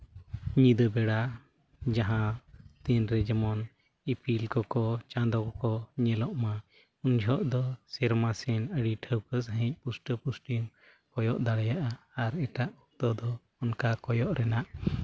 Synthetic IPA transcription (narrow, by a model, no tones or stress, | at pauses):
ɲid̪əbɛɽa | d͡ʒãɦãt̪ɛnɾɛd͡ʒɛmɔn | ipʰilkɔkɔt͡ʃãd̪ɔkɔkɔɲɛlɔʔma | und͡ʒʱɔʔd̪ɔsɛɾmasɛnəɽiʈʰəwkəsɦəɛ̃c̚ˀpusʈəpusʈim | kɔjɔʔd̪aɽɛjaʔaː | ɾɛʈaʔɔk̚t̪ɔd̪ɔː | nkakɔjɔʔɾɛnaʔ